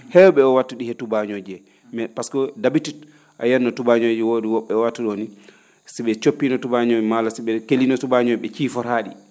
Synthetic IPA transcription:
hɛwɓɛɔwatːuɗihɛtubaɲod͡ʒɛ | mɛpaskɔdabitit | ʔa̰jɛnːɔtubaɲod͡ʒɛwoɗiwɔɓɛɔwatːuɗoni | siɓɛt͡ʃopːinɔtubaɲoimalasiɓɛkelinɔtubaɲoɓɛt͡ʃiːfɔɾaːɗi

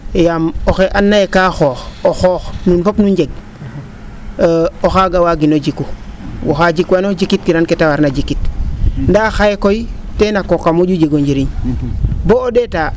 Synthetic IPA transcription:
jamoxeʔanːajekaxoxoxoxnunpopnund͡ʒeɡ̚ | oxaɡawaɡinod͡ʒikːuwoxad͡ʒikwanod͡ʒikitkiɾanketawaɾnad͡ʒikːitndaxajekoitenakokamuɟud͡ʒeɡoɲd͡ʒiɾiɲ | boodeta

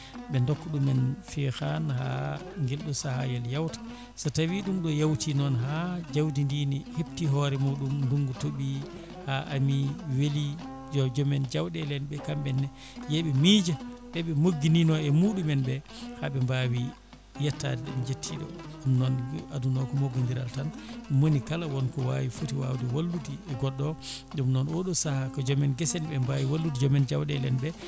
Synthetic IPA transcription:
ɓɛndɔkːɔɗumɛnfɛxanha̰ŋɡɛlɗɔsahajɛljawtḁ | sɔtawiɗumɗɔjawtʰinɔnɦad͡ʒawdindiniheptiɦɔɾɛmuɗumduŋɡutoɓi | haʔamiweli | d͡ʒɔd͡ʒɔmɛnd͡ʒawɗɛlɛnɓɛkambɛnːɛ | jeɓɛmiːd͡ʒaɓɛɓɛmoɡːininɔɛmuɗumɛnbɛ | haɓɛmbawi | jatːadɛɗɛnd͡ʒetʰːiɗɔ̰ɗumnɔnadunɔkɔmoɡindiɾa̰ltanmonikalawɔnkɔwawifutiwa̰wdɛwalːutiɛɡɔɗːɔɗumnɔnwoɗusahakɔd͡ʒɔmɛnɡɛsɛnbɛmbawiwalːutid͡ʒɔmɛnd͡ʒawɗɛlɛnbɛ

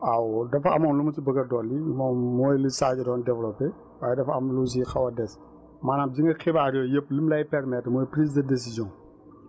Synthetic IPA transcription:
awdɐfɐɐ̰mɔːnlumɐtibəɡɐdɔlːimɔnmɔːjlisaːɟidɔːndɛvlɔpːɛ | waːjɛdɐfɐmlus̬ixɐwɐdɛs | maːnaːmd͡ʒiŋɡɐxibaːɾjɔjəpːlimlɐjpɛɾmɛtːmɔːjpɾiːs̬dɐdes̬izjɔ̃ŋ

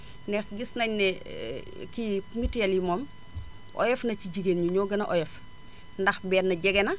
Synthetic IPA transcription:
nɛxɡisnɐɲnɛ | kimitɛljimɔːm | ʔɔ̰jɛfnɐciɟiɡenɲuɲɔːɡɐnɐʔɔjɛf | ndɐxbɛːnːɐɟɛɡɛnɐ

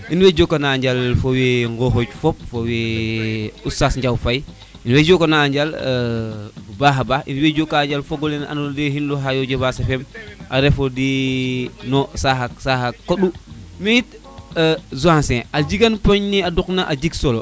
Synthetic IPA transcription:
inwed͡ʒokːanaːɲd͡ʒalfoweŋɡoɦoɟfop̚fowe | usasɲd͡ʒawfaj | inwed͡ʒokanaːɲd͡ʒal | baɦabainwed͡ʒokːaːɲd͡ʒalfoɡolena̰nodeɦinloɦajod͡ʒebasefemaɾefodi | nosahasahakoɗumejit̚ː | zuãnsẽald͡ʒiɡanpoɲniaduknaʔad͡ʒiksolo

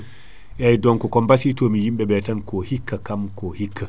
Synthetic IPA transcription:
ʔɛjdɔŋkɔkɔmbasiːtomijimɓɛbɛtankɔhikːakamkɔhikʰːa

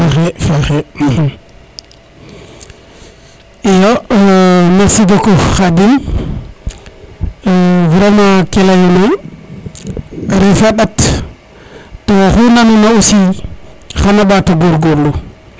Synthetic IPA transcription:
axefaxe | ijo | nasiɡokoxadin | vɾemakelajoma | ɾifaɗat | toxunanunausi | xanaɓatoɡoɾɡollu

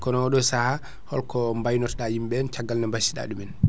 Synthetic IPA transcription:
kɔnɔwɔɗɔsaha | hɔlkɔmbajnɔtɗajimɓɛnt͡ʃaɡːalnambasi̥ɗa̰ːɗumɛn

